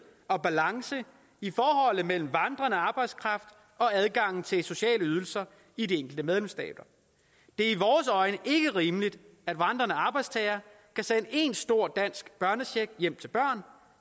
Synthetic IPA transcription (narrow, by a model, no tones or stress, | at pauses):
ɒ̽b̥ælɑ̈ŋsə | ifɒːɦɒ̽l̰ð̩ˠmel̰m̩ʋɑ̈nd̥ʁɐnəɑ̈ːb̥ɑ̈ɪd̥skʰʁɑ̈fd̥ | ɒ̽æð̞ˠɡ̥ɑ̈ŋ̰n̩t͡sʰe̝lso̝ɕɛ̰ːləyð̞ˠl̩sɐ | idieŋ̰ɡ̥l̩d̥əmeð̞ˠlemsd̥ɛ̰ːd̥ɐ | d̥e̝ɐiʋɒːsɒ̽ɪnəʔe̝ɡ̥əʁiːməlid̥æd̥ʋɑ̈nd̥ʁɐnəɑ̈ːb̥ɑ̈ɪd̥st͡sʰɛːɪɐ | kʰæsenəʔe̝nsd̥o̝ɐ̰d̥æn̰sɡ̥b̥ɶɐnəɕeɡ̥jem̰t͡sʰe̝lb̥ɶɐ̰n